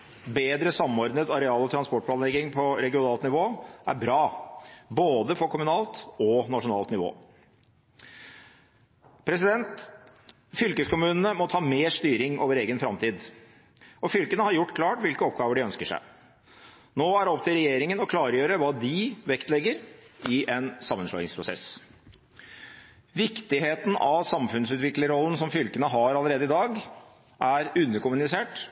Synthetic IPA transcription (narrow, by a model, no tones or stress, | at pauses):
beːd̪ɾəsɑmːɔɾd̪nət̪ɑɾɛɑːlɔt̪ʰɾɑnspɔʈpʰlɑːnlɛɡɪŋpʰɔɾɛɡɪʊnɑːlt̪nɪʋoːʔæ̰ɾbɾɑːboːd̪əfɔɾkʰʊmʉnɑːlt̪ɔnɑʂʊnɑ̰ːlt̪nɪʋo̰ː | pʰɾɛsɪd̪ɛnt̪ | fʏlkəskʰʊmʉːnənəmɔt̪ʰɑːmeːʂt̪yːɾɪŋʔoːʋəɾeːɡənfɾɑmt̪ʰiːd̪ | ʔɔfʏlkənəhɑɾjʊʈːkʰlɑːʈʋɪlkəɔp̚ɡɑːʋəɖɪœnskəʂæ̰ɪ | noːæɖɛɔpt̪ʰɪlɾɛjeːɾɪŋənɔkʰlɑːɾəjøːɾəʋɑːd̪ɪʋɛkt̪lɛɡːəɾɪʔɛnsɑmːənʂlɔ̰ːɪŋspʰɾʊsɛ̰s | ʋɪkt̪ɪɦeːt̪n̩ɑʋsɑmfʉnsʉːt̪ʋɪklɪŋɾɔlːən̩sɔmfʏlkənəɦɑɾɑləɾeːd̪əɪd̪ɑːɡ | ʔæɾʉnːəɾkʊmʉnɪseːʈ